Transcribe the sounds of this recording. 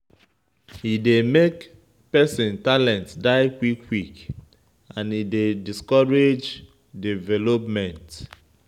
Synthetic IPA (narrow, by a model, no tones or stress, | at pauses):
hidemek | pɛsĩntalɛ̃ntdaɪkwikʰwik | ãnidediskɔɹed͡ʒ | divɛlɔpmɛ̃nt